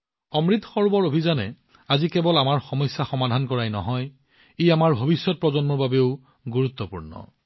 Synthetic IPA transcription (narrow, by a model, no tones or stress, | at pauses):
ɔmɹit̪ɔxɔɹbɔɹobʱizanɛ̰ | azikɛbɔlamaɹxɔmɔjsːaxɔmadʱankɔɹajnɔ̰ɦɔj | ejamaɹbʱobisːɔt̚pɹɔzɔnmɔɹbabeʊ | ɡuɹut̪ːɔpuɹnɔ̰